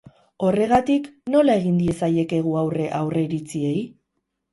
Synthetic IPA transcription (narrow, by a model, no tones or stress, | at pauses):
o̞re̞ɣ̞at̪ikno̞lae̞ɣind̪ie̞saje̞ke̞ɣ̞uawre̞ʔawre̞ɾit͡sie̞j